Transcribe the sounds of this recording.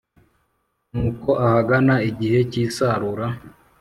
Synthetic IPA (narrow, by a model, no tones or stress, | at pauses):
nuːko̞ʔahaɡanaiɟihe̞ciːsaɾuɾa